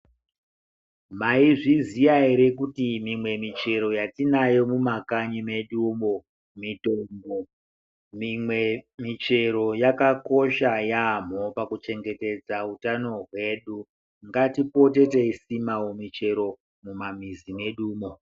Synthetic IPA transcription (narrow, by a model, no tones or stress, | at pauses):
maiʐizijaeɾe̞kutimimwe̞mit͡ʃe̞ɾo̞jatinajo̞mumakaɲime̞ɗumo̞ | mitomɡo | mimwe̞mit͡ʃe̞ɾo̞jakako̞ʃajam̤o̞pakut͡ʃe̞ŋɡe̞te̞d͡zautano̞ɦwe̞ːɗu | ŋɡatipo̞te̞teisimawomit͡ʃe̞ɾo̞ | mumamizime̞ɗuːmo̞